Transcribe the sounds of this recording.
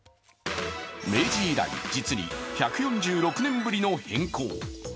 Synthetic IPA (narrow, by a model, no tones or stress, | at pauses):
me̞ːd͡ʑʑiːɾa̰ḭd͡ʑit͡sɨɲʲḭçakɯ̟jõ̞ɲ̟d͡ʑɨːɾo̞kɯ̟nẽ̞mbɯɾʲino̞hẽ̞ŋko̰ː